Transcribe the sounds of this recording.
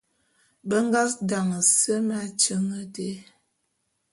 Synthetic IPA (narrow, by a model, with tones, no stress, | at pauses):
bə˦ŋ˦ɡa˦sda˨ŋə˨sə˦ma˦t͡ʃə˦ŋə˦de˦